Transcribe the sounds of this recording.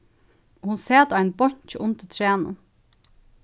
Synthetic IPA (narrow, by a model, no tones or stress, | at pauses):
hʊnseːd̪æɪnbɔɲçəʔʊnt̪ət̪ʰɾeːnə̰n